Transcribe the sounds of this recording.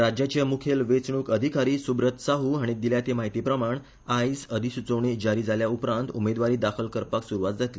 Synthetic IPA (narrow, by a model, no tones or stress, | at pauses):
ɾad͡ʑjat͡ɕamukʰelʋet͡sɳ̃uːkəd̪ʱikaɾiːsubɾət̪saɦuːaɽ̃id̪iljat̪emaɦit̪iːpɾəmaɳ | ajsəd̪ʱisut͡səʋɳ̃id͡ʑaɾiːd͡zʱaljaupɾãnt̪umed̪ʋaɾiːd̪akʰəlkəɾpaksuɾuʋat̪̚d͡zat̪li